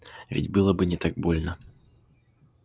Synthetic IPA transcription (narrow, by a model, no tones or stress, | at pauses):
vʲɪ̰dʲbɨlˠɐbɨnʲɪt̪aɡ̚bolʲnɐ